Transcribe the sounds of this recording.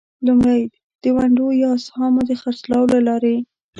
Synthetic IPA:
lumɽaj | d̪̥əwaɳɖojɑshɑmod̪əxaɾslɑwlalɑɾe

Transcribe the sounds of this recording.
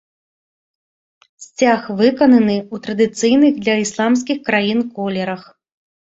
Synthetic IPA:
sʲt͡sʲaxvɨkɐnɐnɨut̪ɾɐd̪ɨt̪sɨjn̪ɨɣd̪lʲɐislˠams̬ʲkʲixkɾajinkɔlʲɛɾɐx

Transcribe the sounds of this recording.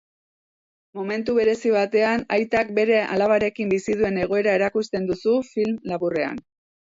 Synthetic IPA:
mo̞me̞nt̪uβe̞ɾe̞siβ̞at̪e̞anajt̪ak̚be̞ɾe̞ʔa̰laβaɾe̞kimbisiðue̞ne̞ɣ̞o̞e̞ɾae̞ɾakust̪e̞nd̪usufilmlaβure̞a̰n

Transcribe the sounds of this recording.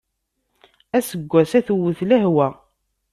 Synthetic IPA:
æsəɡʷːæsæθəwːəθlæɦwæ

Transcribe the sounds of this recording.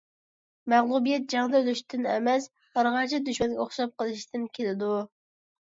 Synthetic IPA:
mæʁlˠubijɛt̪̚d͡ʒɑŋd̪ɑølyʃt̪ʰɪnɛ̰mɛs | ɑɾʁɑt͡ʃʰid̪yʃmɛnɡʲɛoχʃɑp̚qəlˠɨʃt̪ɨnkʲʰelɪd̪u

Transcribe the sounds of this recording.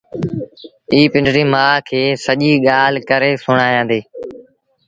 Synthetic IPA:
iːpɪ̃ɳɖɾiːmaːkʰeːsəʄiːɠaːlkəɾeːsʊɽaːjãːd̪eː

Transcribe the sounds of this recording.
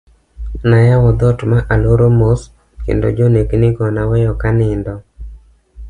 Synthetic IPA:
najawɔd̪ɔtmaʔaloɾomos | kḛndo̰d͡ʒoneknɪɡɔnawɛjɔkanɪndɔ

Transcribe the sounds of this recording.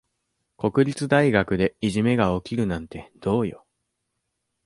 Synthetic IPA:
ko̞kɯ̟ɾʲit͡sɨd̪aiɡakɯ̟d̪e̞iʑime̞ɡao̞kʲiɾɯ̟nãnt̪e̞d̪̥o̞ːjo̰

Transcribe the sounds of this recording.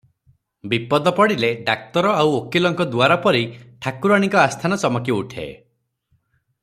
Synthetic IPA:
bipɔd̪ɔpɔɽileɖak̚t̪ɔɾɔawokilɔŋkɔd̪uaɾapɔɾiʈʰakuɾaɽ̃ikɔast̪ʰanɔt͡ʃɔmɔkiuʈʰḛ

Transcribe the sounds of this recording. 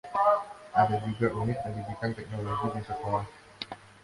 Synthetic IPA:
ʔadad͡ʒuɡaʔunɪt̪̚məndibikant̪ɛk̚noloɡidisəkɔlat

